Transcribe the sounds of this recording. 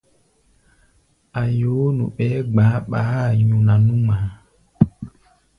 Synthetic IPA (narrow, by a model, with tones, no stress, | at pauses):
a˨jo˨˦nṵ˨ɓɛ˨˦ɡ͡ba˨˦ɓaː˨˦˨ɲũ˨na˨nu˦ma˨˦